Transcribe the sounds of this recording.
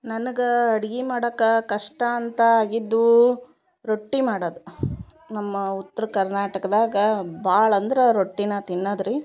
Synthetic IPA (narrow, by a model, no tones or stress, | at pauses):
nɐnɐɡɐɐɽiɡimaːɽɐkːɐkɐʂʈɐːnt̪ɐaːɡid̪ːu | ɾoʈːimaːɽɐːd̪u | nɐmːɐut̪ːɐɾɐkɐɾnaːʈɐkɐd̪aːɡɐbaːɭɐnd̪ɐɾɐɾoʈːinɐt̪inːɐd̪ɾi